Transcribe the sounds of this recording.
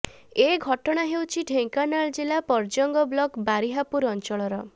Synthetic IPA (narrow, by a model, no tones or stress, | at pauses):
eɡʱɔʈɔɽ̃aɦewt͡ʃʰiɖʱeŋkanaɭd͡ʒilapɔɾd͡ʒɔŋɡɔblɔkbaɾiɦapuɾɔnt͡ʃɔɭɔɾɔ